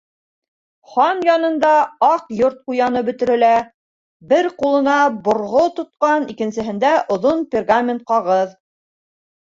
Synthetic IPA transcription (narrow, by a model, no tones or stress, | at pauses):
χɑnjɑnɤ̆nd̪ɑɑqjoɾt̪̚qujɑnɤbɵ̆t̪ɘ̆ɾɘ̆læ | bɘɾqulˠɤ̆nɑbŏɾʁot̪ŏt̪̚qɑnikɘ̆nsɘ̆ɦɘ̆nd̪æʔŏðonpʲerɡamʲɪnt̪̚qɑʁɤð